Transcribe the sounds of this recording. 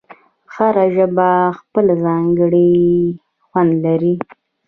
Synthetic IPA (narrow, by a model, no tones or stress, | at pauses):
xaɾaʒəbaxpəlazɑŋɡəɽi | xwand̪laɾi